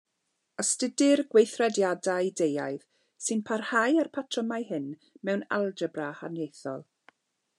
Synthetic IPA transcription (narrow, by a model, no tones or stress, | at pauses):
əstədɪrɡwejθrɛdjadajdejajð̥ | sɨnpʰarhajarpʰatʰrəmajhɪnmɛwna̰lˠd͡ʒəbraha̰njejθɔ̰lˠ